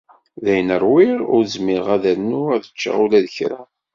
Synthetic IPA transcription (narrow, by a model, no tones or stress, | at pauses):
ðæjənəɾˤwiɾʊ̰ɾzmɪʁæðəɾnuæðət͡ʃːa̰ulæðəçɾa̰